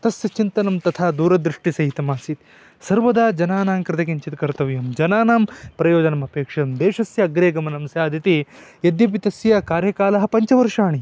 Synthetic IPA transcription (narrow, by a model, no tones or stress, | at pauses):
t̪ɐsjɐt͡ʃint̪ɐnɐmt̪ɐt̪ʰaːd̪uːɾɐd̪ɾiʂʈisɐɦit̪ɐmaːsit̪ | sɐɾʋɐd̪aːd͡ʒɐnaːnaːmkɾɨt̪ʰɐkiɲt͡ʃit̪kɐɾt̪ɐʋjɐmd͡ʒɐnaːnaːmpɾɐjoːd͡ʒɐnɐmɐpeːkʂɐjɐmd̪eːʂɐsjɐːɡɾeːɡɐmɐnɐmsjaːd̪ʱit̪ijɐd̪jɐp̬it̪ɐsjɐkaːɾjɐkaːlɐɦɐpɐɲt͡ʃɐʋɐɾʂaːɳi